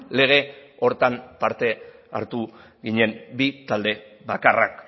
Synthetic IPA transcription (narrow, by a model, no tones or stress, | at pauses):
le̞ɣ̞e̞o̞ɾt̪ampaɾt̪e̞a̰ɾt̪u | ɣiɲe̞mbit̪ald̪e̞βakarak